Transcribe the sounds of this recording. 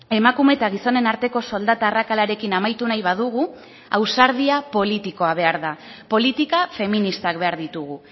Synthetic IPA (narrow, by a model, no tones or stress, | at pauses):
e̞makume̞t̪aɣiso̞ne̞naɾt̪e̞ko̞so̞ld̪at̪aːrakalaɾe̞kinamajt̪unajβaðuɣ̞u | awsaɾð̞iapo̞lit̪iko̞aβ̞e̞aɾða | po̞lit̪ikafe̞minist̪akβe̞aɾðit̪uɣu